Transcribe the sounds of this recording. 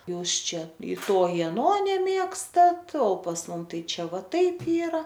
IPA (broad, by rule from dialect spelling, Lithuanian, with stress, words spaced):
ˈjuːs ˈt͡ʃʲɛ ɪ ˈtoː ɪ ɐˈnoː nʲɛˈmʲeːkstɐt oː pɐs ˈmʊm ˈtɐɪ ˈt͡ʃʲɛ ˈʋɐ ˈtɐɪp ˈiːrɐ